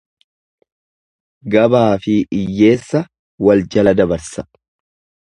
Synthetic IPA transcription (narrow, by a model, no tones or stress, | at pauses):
ɡɐbaːfɪʔɪjːe̞ːsːɐ | wɐld͡ʒɐlɐd̪ɐbɐɾsɐ̥